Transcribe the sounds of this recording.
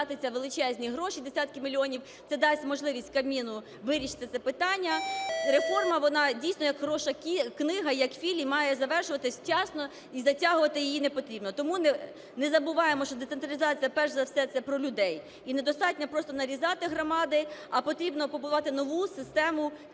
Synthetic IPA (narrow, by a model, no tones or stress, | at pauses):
ɑt̪ɪt͡sʲɐʋelˠɪt͡ʃɛzʲnʲiɦɾɔʃid̪esʲat̪̚kɪmʲilʲiɔnʲiw | t̪sɛd̪ɑsʲtʲmɔʒlˠɪʋʲisʲtʲkɐmʲinʊ | ʋɪɾʲiʃɪ̥t̪ɪt̪sɛpɪt̪ɑnʲːɐɾefɔrmɐʋɔnɑdʲijsʲnɔjɐkɦɾɔʃɐkʲiknɪɦɐjɐkfʲilʲimɑjɛzɐʋɛrʃʊʋɐt̪ɪsʲt͡ʃɑsnɔ | izɐtʲɑɦʊʋɐt̪ɪjijinepɔt̪ɾʲibnɔt̪ɔmun | nɛzɐbʊʋɑjemɔʃt͡ʃɔd̪et̪sent̪ɾɐlʲizɑt͡sʲijɐpɛʒzɐfsɛt̪sɛpɾɔlʲʊd̪ɛj | ined̪ɔst̪ɑtʲnʲɐpɾɔst̪ɔnɐɾʲizɑt̪ɪɦɾɔmɑd̪ɪɐpɔt̪ɾʲibnɔpɔbʊʋɑt̪ɪnɔʋusɪst̪ɛmʊ